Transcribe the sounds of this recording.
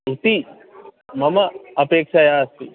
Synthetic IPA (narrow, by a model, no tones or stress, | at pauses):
ut̪i | mɐmɐɐpeːkʂɐjaːst̪i